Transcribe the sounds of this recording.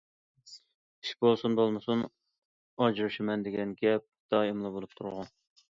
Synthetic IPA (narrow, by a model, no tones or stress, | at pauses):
i̥ʃbolˠsunbolˠmɨsun | ɑd͡ʒɾɨʃɪmɛnd̪ɪɡʲɛnɡʲɛp̚d̪̥ɑːimlˠɨbolˠup̚t̪ʰuɾʁʊ